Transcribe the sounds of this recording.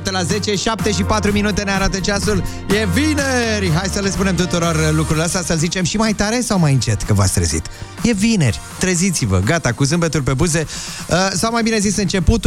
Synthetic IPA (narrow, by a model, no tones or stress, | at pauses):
t̪əlaze̞t͡ʃe̞ʃap̚t̪e̞ʃipat̪ɾuminut̪e̞neaɾat̪ət͡ʃasul | je̞vineɾʲɦajsəlspune̞mt̪ut̪uɾo̞rlukɾuɾileəst̪asəlzit͡ʃe̞mʃimajt̪aɾe̞sawmajɨnt͡ʃe̞t̪kəva̰tsʲt̪ɾə̰zḭt̪je̞vine̞̰rʲ | t̪ɾəzit̪sivə̰ɡat̪akusɨmbet̪urʲpe̞buze̞ | əsawmajbine̞zisɨnt͡ʃe̞put̪